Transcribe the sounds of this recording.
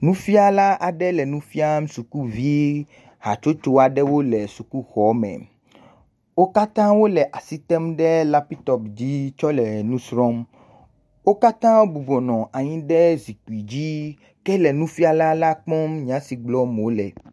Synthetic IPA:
nũ˦fi˦a˦la˦ʔa˨ɖɛ˦lɛ˨nũ˦fi˦a˦m˦su˨ku˦vi˦ | ha˨t͡ʃo˦t͡ʃo˦a˨ɖɛ˦wo˦lɛ˨su˨ku˦xɔ˨mɛ̰̃˨ | wo˦ka˦t̪ã˦wo˦lɛ˨ʔa˨si˦t̪ɛ˦mɖɛ˦la˦pi˦t̪ɔ˨pd͡ʑi˦t͡ʃɔ˦lɛ˨nũ˦sɾɔ̃˦m | wo˦ka˦t̪ã˦wbu˨bɔ˨nɔ̃˨ʔa˨ɲĩ˦ɖɛ˦zi˨k͡pu˨i˨d͡ʑi˦ | kɛ˦lɛ˨nũ˦fi˦a˦˨la˦la˦k͡pɔ̃˦mɲ˨ã˨˦si˨ɡ͡blɔ˦m˨o˦lɛ˨

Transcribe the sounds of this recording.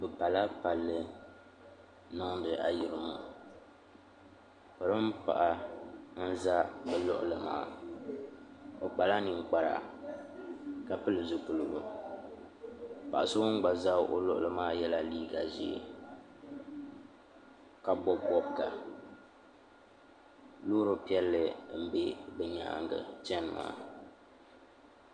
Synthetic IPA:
bɨ˨pa˨la˦pa˨lːɨ˦ | nɨ˦ŋdɨ˨ʔa˨jɪ˨ɾɨ˦mu˦ | pɨ˨ɾɨ˦m̩˦pa̰˨ʔa˦n̩˦za˦bɛ˨lɔ̰˦ʔʊ˨lɨ˨ma̰ː˦˨ | o˨k͡pa˨la˦nɨ˨ŋ˨k͡pa˦ɾa̰˨ | ka˨pɨ˦lɨ˨zʊ˦ku˨lɨ˨bʊ˦ | pa˨ʔa˨sʊ˦wʊ˦ŋ˦ɡ͡ba˨za˦ʔo̰˦lʊ˦ʔʊ̰˦lɨ˦maː˦jɛ˦la˦liː˦ɡa˨zḭ˨ | ka˨bɔ˦bbɔ˦bka˨ | loː˦ɾo˦pi˦ɛ˦lːɨ˨m̩˨be˦bɛ˨ɲa̰˨ŋɡɨ̰˨t͡ʃɛ˦n˨ma̰ː˦˨

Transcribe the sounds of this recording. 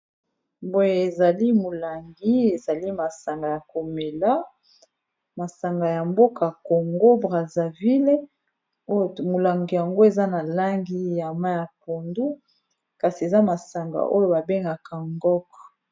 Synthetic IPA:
bo˦je˨e˨za˨li˦mo˨la˨ŋɡi˦e˨za˨li˦ma˨sa˨ŋɡa˨ja˨ko˨me˨la˦ | ma˨sa˨ŋɡa˨ja˨mbo˦ka˨ko˨ŋɡo˦bʁa˨za˨vi˦le˦ | o˦˨mo˨la˨ŋɡi˨ja˨ŋɡo˦e˨za˦na˨la˦ŋɡi˦ja˨ma˦ja˨po˨ndu˦ | ka˨si˨e˨za˦ma˨sa˨ŋɡa̰˨ʔo˦jo˦ba˨be˦ŋɡa˨ka˨ŋɡɔ˦kɔ˨

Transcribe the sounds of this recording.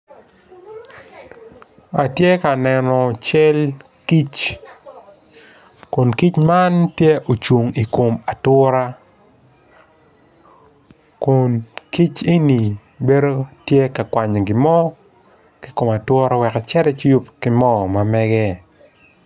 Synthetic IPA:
a˨tje˦ka˨nɛ˨nɔ˨t͡ʃɛ˦l | ki˦t͡ʃ | kʊ˨nki˦t͡ʃma˦ntje˦ʔo˨t͡ʃwo˨ŋi˨ko˨ma˨tʊ˦ɾa˦ | kʊ˨nki˦t͡ʃe˦ni˨ | be˦ɾo˦tje˦ka˨kwa˨ɲe˨ɡɪ˨mɔ˦ | ki˦ko˨ma˨twʊ˦ɾa˦wɛ˨ka˨t͡ʃɛ˦ɾɛ˦t͡ʃju˦pkɪ˦mɔ˦ma˨mɛ˦ɡɛ˦

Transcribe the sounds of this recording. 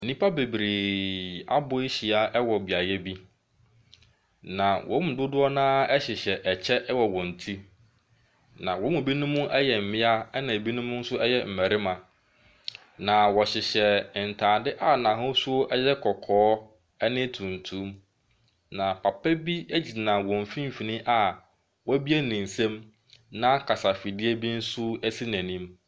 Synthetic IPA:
n̩˨nĩ˦pʰa˦be˨bɾeː˨a̰˦bʊ˦e˦ɕi˨a˦ʔɛ˦wɔ˨bi˨a˨jɛ˦bi˦ | nã˨wʔɔ̰̃˨˦mʊ̃˨dʊ˦dʊ˦ɔ˦nãː˦ɛ˦ɕɪ˨ɕɛ˨ʔɛ˨t͡ɕʰɛ˦ʔwɔ˨wɔ̃˨n̩˨tʰi˦ | nã˨wɔ˨˦mʊ̃˨bi˦nʊ̃˦mʊ̃˦ʔɛ˦jɛ˨m̩˨mɪ̃˦a˦ɛ˦nã˨e˨bi˦nʊ̃˦mʊ̃˦n̩˦sʊ˦ɛ˦jɛ˦m̩˨mɛ˨ɾɪ˦mã˨ | nã˨wɔ˨ɕɪ˨ɕɛ˨n̩˨tʰãː˨dɪ˦ʔa˦nã˨ɦʊ̃˦sʊ˦ʔɛ˦jɛ˦kʰɔ˨kʰɔː˨˦ | ɛ˦nɪ̃˦tʰũ˨n̩˨tʰũ˦m | nã˨pʰa˨pʰɛ˦bi˦æ˦d͡ʑi˨nã˨wɔ̃˨m̩˨fĩ˦m˨fi˨nɪ̃˦ʔa˦ | wɔ˦bi˦æ˦nĩ˨n̩˨sɛ̃˦m | nã˦kʰa˨sa˨fɪ˨dɪ˦ɛ˦bi˦n̩˦sʊ˦ɛ˦si˦næ̃˨nĩ˦m

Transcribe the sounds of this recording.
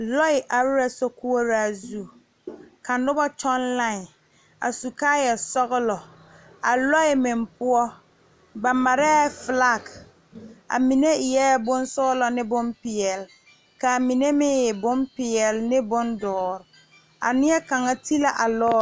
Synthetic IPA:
lɔ˦ɪ˨ʔa˨ɾɾɛ˦sɔ˦ku˦o˦ɾa˦˨zu˦˨ | ka˨nʊ˦bɔ˦t͡ʃɔ˦nla˦˨ɪ˨ | a̰˨su˨kaː˦jɛ˨sɔ˦ɣʊ˦lɔ˨ | a˨lɔ˦ɪ˨mɪ˨mpʊ˦ɔ˦ | ba˨ma˨ɾɛ˦fla˦˨k | a̰˨mi˨ne˦˨jɛ˦bʊ˦n˦sʊ˦ɣʊ˦lɔ˨nɪ˦bʊ˦mpɪ˨ɛ˨l | ka˨mi˨ne˦mɪ˦jɛ˨bʊ˦mpɪ˨ɛ˨lnɪ˦bʊ˦ndɔː˨ɾ | a̰˨nɪ˦ɛ˦ka˨ŋa˦tʰi˦la˦ʔa˨lɔː˦

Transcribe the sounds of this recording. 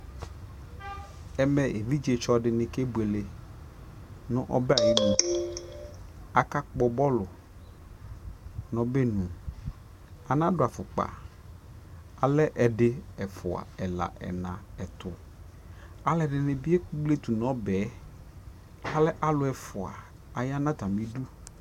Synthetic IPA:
ɛ˨mɛ˨e˨vi˦d͡ʒe˨t͡ʃɔ˦dɪ˨nɪ̃˨ke˦bu˨e˨le˨ | nʊ̃˦ʔɔ̰˦bɛ˦a˨ji˦nũ˨ | a˨ka˦k͡pɔ˨bɔ˦lʊ˨ | nɔ̃˨˦bɛ˦nũ˨ | a˨nã˦dʊ˨a˨fʊ˨k͡pa̰˨ | a˨lɛ˦ʔɛ˨dɪ˦ɛ˨fʊ̰˨a̰˨ɛ˨la̰˨ʔɛ̰˨nã˨ɛ˨t̪ʊ˨ | a˨lɛ˦˨dɪ˨nɪ̃˨bi˦e˦ku˦ble˦t̪u˨n˨ɔ̃˦bɛː˨˦ | a˦lɛ˦ʔa˦lʊ˨ɛ˨fʊ˨a̰˨ | a˨ja˦nã˦t̪a˨mi˦du˦

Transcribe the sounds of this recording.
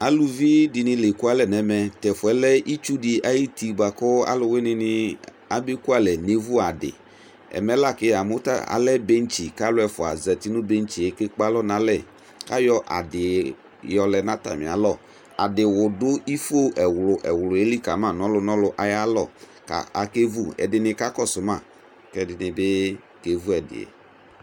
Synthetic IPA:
a˨lu˦vi˦dɪ˨nɪ̃˨le˨ku˦a˦lɛ˨nɛ˨mɛ˨t̪ɛ˨fʊ˨ɛ˨˦lɛ˦i˦t͡ʃu˦dɪ˨ʔa˦ji˦ti˨ba˨kʊ˦a̰˦lʊ˨we˦nɪ̃˦nɪ˦ | a˦be˦ku˦a˦lɛ˨ne˨vu˦a˨dɪ̰˨ | ɛ̰˨mɛ˨˦la˦˨kɪ˦a˨mʊ˦ta̰˦a̰˨lɛ˦be˦n̩˦t͡ʃi˨ka˦lʊ˦ɛ˨fʊ˨a̰˨zɛ˨t̪i˦nʊ̃˦be˦n˦t͡ʃi˨ɛ˨˦kɪ˦k͡pa˦lɔ˦nã˨˦lɛ˦˨ | ka˦jɔ˦ʔa̰˨dɪ˨ | jɔ˨lɛ˨nã˦ta̰˨mɪ̰̃˨a̰˨˦lɔ˦˨ | a̰˨dɪ˨wʊ˨dʊ˦i˦fo˦ʔɛ˨wlʊ˨ʔɛ˨wlʊ˨e˦li˦ka˨mã˦˨nɔ˦lʊ˦nɔ˦lʊ˦ʔa˨ja˦lɔ˦˨ | ka̰˨a˨ke˦vu˦ɛ̰˨dɪ˨nɪ˧ka˦kɔ˦˨sʊ˨mã˦˨ | kɛ˦dɪ˨nɪ˨bɪ˦ | ke˦vu˦ɛ˨dɪ̰˨ḛ˨

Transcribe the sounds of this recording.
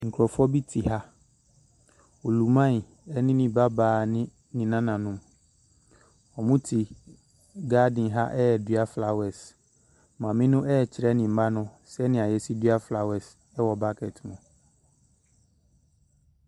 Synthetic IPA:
ŋ̩˨kʰɾɔ˨fɔ˦bi˦tʰi˨ha˦ | o˨lu˨mã˦˨n˨ | ɛ˦nɪ̃˦nɪ̃˨ba˦baː˨nɪ̃˦ | nĩ˨nã˦nã˨nʊ̃˨m | ɔ˨mʊ̃˦tʰi˨ | ɡaː˦dɪ̃˨nɦa˦ʔɛ˦jɛ˨dɥa˦fla˨wɛ˨s | mã˨mɪ̃˦nʊ̃˦ʔɛː˦˨t͡ɕʰɪ˨ɾɛ˦nɪ̃˨m̩˨ba˦nʊ̃˦ | sɛ˦nɪ̃˨a˨jɛ˦si˦dɥa˦fla˨wɛ˨s | ɛ˦wɔ˨ba˦kʰɛ˨tmʊ̃˨

